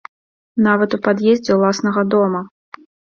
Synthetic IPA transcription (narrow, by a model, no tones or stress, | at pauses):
navɐt̪upad̪jɛzʲd͡zʲɛwlˠasnɐɣɐd̪ɔmɐ